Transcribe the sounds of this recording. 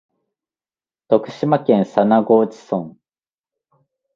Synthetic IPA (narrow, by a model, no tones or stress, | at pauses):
t̪o̞kɯ̟̥ɕimakẽ̞ñsanaɡo̞ːt͡ɕi̥sõŋ